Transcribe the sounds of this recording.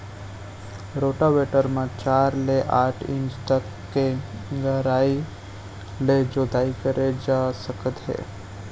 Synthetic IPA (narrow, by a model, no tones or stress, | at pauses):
ɾoːʈaʋeʈəɾmə̃t͡ʃaːɾleʔaːʈʰɪ̰̃nd͡ʒt̪əkːeɡəɾaːi | led͡ʒoːd̪aːikəɾʔed͡ʒaːsəkət̪ɦḛː